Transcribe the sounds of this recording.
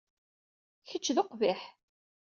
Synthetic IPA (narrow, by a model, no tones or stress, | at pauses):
çət͡ʃːðʊqvɪħ